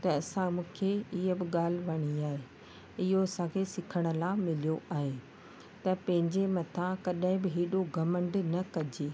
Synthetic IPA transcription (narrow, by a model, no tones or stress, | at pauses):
t̪ɐɐsãmũːkʰeɪɦəbɪɠaːl̤ɪ̆ʋɐɽ̃iaːɦe | ɪɦoɐsãkʰesɪkʰəɽ̃ʊ̆lamɪlijoʔaːɦe | t̪ɐpɐ̃ɦɪ̃ɲd͡ʑemɐt̪ʰãkɐɗãɦɪ̃bɪɦiːɗoɡɐmə̃ɳɖnɐkɐd͡ʑeː